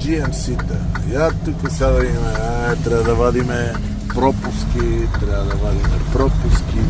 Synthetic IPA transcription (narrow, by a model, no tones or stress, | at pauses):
d͡ʒiɛmsit̪əjat̪ukəsad̪ɐimɛat̪ɾɛbəd̪ɐvad̪imɛ | pɾɔpʊskʲit̪ɾabɐd̪ɐvad̪imɛpɾɔpʊsk̟ʲi